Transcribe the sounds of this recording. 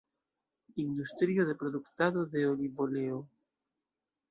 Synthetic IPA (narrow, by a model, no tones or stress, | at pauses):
ind̪ust̪ɾioðe̞pɾoðukt̪aðoðeolivoleo